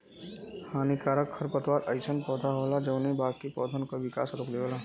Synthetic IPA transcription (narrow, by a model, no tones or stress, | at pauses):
haːnikaːɾəkʰːəɾpət̪ʋaːɾɐɪt͡ʃʰənpɔːd̪ʱaɦoːlad͡ʒɐʊnẽbaːkipɔːd̪ʱənkaʋɪka̰ːsɾokleʋoːla